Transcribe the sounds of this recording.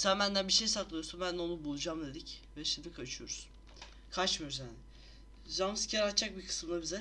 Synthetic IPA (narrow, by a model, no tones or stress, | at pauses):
sænbænd̪ænbiʃejsat̪lˠɯjo̞ɾsunbænd̪o̞nubulˠud͡ʒamd̪e̞d̪ic | vɛʃimd̪ʲikʰat͡ʃʰyjo̞ɾuz | kʰat͡ʃmijoɾuzjaːnɪ | zamsi̥cʰʲaɾat̪ːt͡ʃːak̚bikʰɯ̥sɯmd̪ˠabizɛ